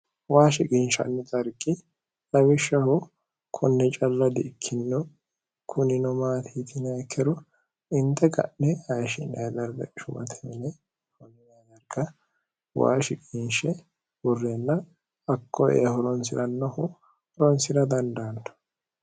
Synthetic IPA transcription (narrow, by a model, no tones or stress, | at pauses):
waːʃɪkʼinʃɐ̰nːɛt̪ʼɐɾkʼːɪ | lɐmɪʃːɐhʊ | kʰɔnːɛt͡ʃʼɐlːɐd̪ɪːkʰːɪnɪnɔ | kʰʊnɪnɔmaːt̪ʰiːt̪ɪnɐkʰːɛɾɔ | ɪnt̪ɛɡɐ̰ʔnɛhɐjʃɪnɐjd̪ɐɾɡɐ̰ʃʊmɐ̰t̪ʰɛmnɛ | hɔnːɪnɐd̪ɐɾɡɐ | wa̰ːʃɪkʼinʃɛ | wɔrːeːnːɐ | ɐkʰːɔʔḛːhɔlɔnsɪɾɐnːɐhʊ | hɾɔnsɪɾɐd̪ɐnd̪aːnd̪ɔ̥